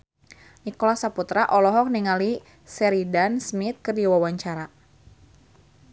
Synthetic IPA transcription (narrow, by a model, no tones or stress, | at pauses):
nikɔlasaput̪ɾaʔɔlɔɦɔk̚niŋali | sɛɾidansmit̪̚kərdiwawaɲt͡ʃaɾa